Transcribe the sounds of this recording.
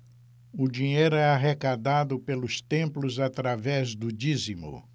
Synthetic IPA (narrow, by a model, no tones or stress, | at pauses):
ʊd͡ʒiɲejɾʊɛaɦekad̪ad̪ʊpelʊst̪ẽmplʊzat̪ɾavɛzd̪ʊd͡ʒizimʊ̰